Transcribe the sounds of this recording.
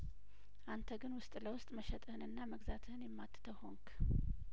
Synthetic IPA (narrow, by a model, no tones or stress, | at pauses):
ʔant̪ʰəɡɨnwʊst̪ʼləwʊst̪ʼməʃɛt̪ʼəhɨnɨnːaməɡzat̪ʰɨhɨnjɛmːat̪ːɨ̥t̪ʰəwho̞ŋkʰ